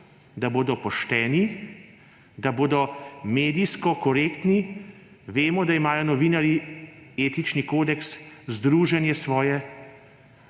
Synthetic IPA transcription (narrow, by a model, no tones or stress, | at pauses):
d̪aboːd̪ɔpɔʃt̪ɛːni | d̪aboːd̪ɔmeːd̪iskɔkɔɾeːkt̪ni | ʋeːmɔd̪aimaːjɔnɔʋiːnaɾieːt̪it͡ʃnikoːd̪ɛkszd̪ɾuːʒɛnjɛsʋɔːjɛ